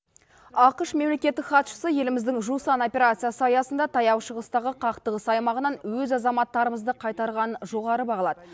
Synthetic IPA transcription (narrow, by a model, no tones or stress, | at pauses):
ɑqəʃme̞mle̞kʲe̞t̪ːɪkχɑt̪ʃə̥səje̞lɪmɪzd̪ɪŋʒusɑno̞pʲe̞ɾat̪sɨjasəɑjɑsənd̪ɑt̪ʰɑjɑwʃəʁəst̪ɑʁəqʰɑqt̪əʁəsɑjmɑʁənɑnwɵzɑzɑmɑt̪ːɑɾəməzd̪əqʰɑjt̪ɑɾʁɑnʒo̞ʁɑɾəbɑʁɑlˠɑd̪ə